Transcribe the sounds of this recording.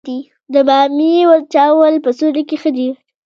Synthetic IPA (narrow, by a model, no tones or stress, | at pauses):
d̪i | d̪əbɑmiwaɾt͡ʃɑwəlpəsoɽekexəd̪i